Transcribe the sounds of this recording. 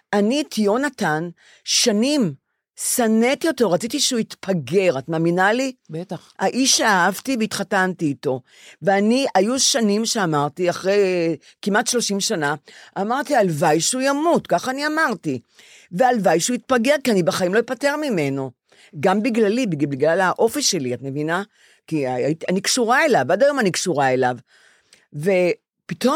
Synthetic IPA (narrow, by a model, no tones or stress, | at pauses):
ʔanitʰijonatan | ʃanim | sanetijo̞toʁat͡sitiʃeuit̪pʰaɡe̞ʁatmaːminalibet̪a | aʔiʃaːhavtiveit̪χatantiːto̞ | veaniajuʃanimʃeamaʁtiaχʁej | kimatʃlo̞ʃimʃanaamaʁtialvajʃujamutkaχaːniamaʁti | vealvajʃuit̪̚paɡe̞ʁkianibeχaimlojipate̞ʁmime̞no̞ | ɡambiɡlalibiɡbiɡlalaʔo̞fiʃe̞liatme̞vina | kiaaitianikʃuʁae̞lavadajo̞manikʃuʁae̞lav | ve̞ | pito